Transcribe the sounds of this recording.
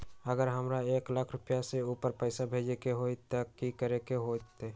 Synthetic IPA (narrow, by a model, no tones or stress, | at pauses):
əɡəɾɦəmɾaeːklakʰɾʊpjaseuːpəɾpəɪsabʱeːd͡ʒekeɦot̪əkikəɾekeɦot̪e